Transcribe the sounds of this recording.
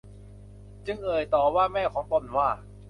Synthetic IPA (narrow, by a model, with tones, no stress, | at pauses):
t͡ɕɯ˧ŋʔɤː˨˩jt̪ɔː˨˩waː˥˩mɛː˥˩kʰɔː˩˦ŋt̪o˧˩˨nwaː˥˩